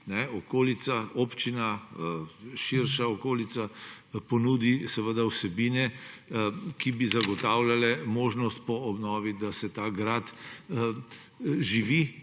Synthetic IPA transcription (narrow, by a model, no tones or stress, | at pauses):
nɛɔkoːlit̪saopt͡ʃina | ʃiɾʃaɔkoːlit̪sa | pɔnuːd̪isɛʋəd̪ausɛbiːnɛ | kibizaɡɔt̪aːwlalɛmoːʒnɔst̪̚pɔɔbnɔːʋid̪asɛt̪aːɡɾat̪ | ʒiʋi